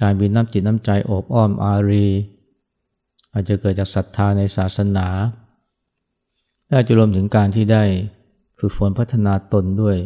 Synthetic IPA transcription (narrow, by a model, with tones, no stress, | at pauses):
kaː˧nbi˧nːaː˦˥˩mt͡ɕi˨˩t̪̚naː˥mt͡ɕa˧jʔoː˨˩p̚ʔɔː˥˩mʔaː˧ɾiː˧ | ʔaː˨˩t̪̚t͡ɕa˨˩kɤː˨˩t̪̚t͡ɕaː˨˩k̚sa˨˩t̪ʰːaː˧na˧jsaː˨˩t̪̚sa˧naː˩˦ | lɛː˦˥˨t͡ɕa˨˩ɾu˧əmt̪ʰɯ˩˦ŋkaː˧nt̪ʰiː˥˩daː˥˩j | t͡ɕʰu˨˩t̪̚fu˨˩˦npʰa˦˥t̪ʰːa˧naː˧t̪o˧ndu˥˩əj